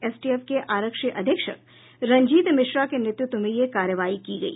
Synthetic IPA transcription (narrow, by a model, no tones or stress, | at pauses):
eːsʈiefkeʔaːɾəkʃiʔɐd̪ʱɪkʃə̰k̚ | ɾɐ̃ɲd͡ʒiːt̪mɪʃɾakenɪt̪jʊt̪ːwəmẽjekaːɾjəʋaːikiɡɐḭː